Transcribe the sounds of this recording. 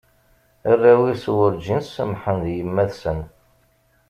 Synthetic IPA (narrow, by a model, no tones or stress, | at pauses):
ərːæwiswəɾd͡ʒinsəmħənðjəmːæðsən